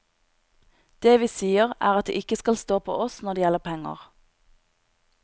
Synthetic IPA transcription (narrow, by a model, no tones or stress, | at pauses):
d̪̥eːʋiːsiːəʁæːʁɑt̪̚d̪ḛːʔɪkəskɑlst̪oːpʰo̰ːʔɔsnɔʁd̪eːjɛləʁpʰɛŋə̰ʁ